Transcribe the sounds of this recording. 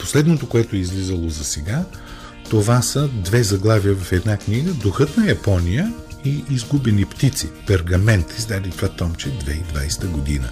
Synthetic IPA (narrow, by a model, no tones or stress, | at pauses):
po̥slɛd̪not̪okoɛt̪oɛizlizəlˠozɐsɛɡa | t̪ovasəd̪vɛzɐɡlˠavijəvɐfɛd̪nakniɡəd̪oxɤt̪nɐjɐpɔnijəiʔːzɡubɛnipt̪it̪sipɛɾɡɐmɛnt̪izd̪ad̪it̪ɾat̪ɔmt͡ʃɛd̪vɛid̪va̰jst̪əɡod̪ḭnə̰